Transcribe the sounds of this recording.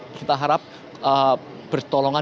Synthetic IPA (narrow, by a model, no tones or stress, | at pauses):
kit̪aɦaɾap̚ | ə | b̥ərt̪ɔlɔŋa